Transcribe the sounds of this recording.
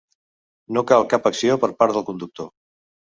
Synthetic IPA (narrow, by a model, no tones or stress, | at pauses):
nokalˠkapəksiopəɾpaɾt̪əlˠkund̪uk̚t̪o